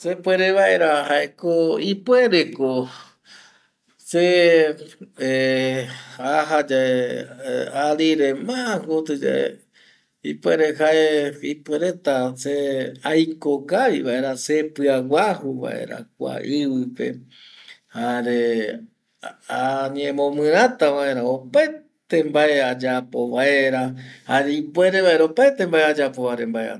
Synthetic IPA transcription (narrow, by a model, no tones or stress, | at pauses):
sepweɾeβaeɾaɦaʔekoipweɾeko | se | e | aɦad͡ʒae | aɾiɾemakot̪ed͡ʒa̰ḛ | ipweɾeɦaeipweɾet̪aseajkokaβiβaʔe̞ɾase̞pɨaɡʷahuβa̰ʔe̞̰ɾa̰k̚ʷa̰ʔɨβɨpe̞̰ | haɾe̞ | aɲẽmõmɨ̃ɾ̃ãt̪aʋae̞ɾaopae | t̪e̞mbaead͡ʒapo̞βae̞ɾahaɾeipwe̞ɾe̞βaeɾaopaet̪e̞mbaʔead͡ʒapo̞βaɾembaea̰